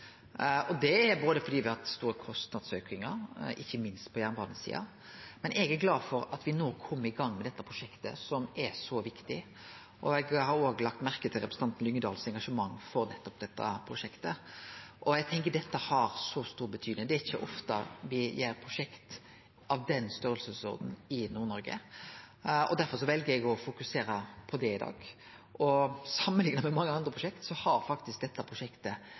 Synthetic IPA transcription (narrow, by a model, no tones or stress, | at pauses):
ɔd̪ɛæɾboːd̪əfɔɖ̪iːʋɪhɑt̪st̪uːɾəkʰɔst̪nɑd̪søːkɪŋɑɾɪçːəmɪnst̪̚pʰɔjæːʁnʋɑd̪nəsḭːɑ̰ | mɛnɛɡæɾɡlɑːd̪fɔɾɑt̪ʋɪnoːkʰɔmːəɾɪɡɑŋːmɛd̪ɛt̪ːɑpʰɾʊʂɛkt̪ə̰sɔmʔɛɾsɔʋɪkt̪ɪ | ʔɔɛɡhɑɾoːɡlɑk̚t̪mæʁkət̪ʰɪlɾɛpɾsn̩ɑnt̪n̩lʏŋːəd̪ɑːlsɛŋɡɑʂəmɑŋːfɔɾnɛt̪ːɔp̚d̪ɛt̪ːɑ̰pʰɾʊʂɛkt̪əʔɔɛɡ̚t̪ʰɛŋkəɖ̪ɛt̪ːəhɑɾsɔst̪uːɾbət̪ʰyːd̪nɪŋd̪ɛæɪçːəʔɔft̪ɑ̰ʋɪjeːɾpʰɾʊʂɛkt̪ | ʔɑʋd̪ɛnst̪œɾəlsəso̰ːd̪n̩ɪnuːɾnɔɾɡə̰ | ɔ̰d̪æɾfɔɾʂɔʋɛlɡəɾɛɡɔfʊkʉseːɾəpʰɔd̪ɛɪd̪ɑ̰ːɡ | ʔɔsɑmːənlɪŋnɑmɛmɑŋːəɑnd̪ɾəpʰɾʊʃɛkt̪sɔhɑɾfɑkt̪ɪsk̚d̪ɛt̪ːəpʰʁʊʂɛkt̪ə